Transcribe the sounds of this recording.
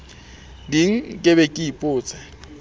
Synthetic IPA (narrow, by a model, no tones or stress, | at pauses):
diŋ̩kʼɪbɛkʼiipʼʊːt͡sʼa